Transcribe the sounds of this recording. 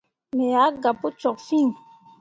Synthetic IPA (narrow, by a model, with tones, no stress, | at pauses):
mɛ˨ja˨˦ɡa˨pu˦t͡ʃɔ˨kfi˦˨ŋ